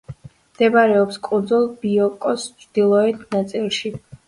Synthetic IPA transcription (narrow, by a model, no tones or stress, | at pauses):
md̪̥ɛbaɾɛɔpskʼund̪zulˠbiɔkʼɔst͡ʃʰd̪̥ilˠɔɛt̪ʰnat̪sʼilˠʃi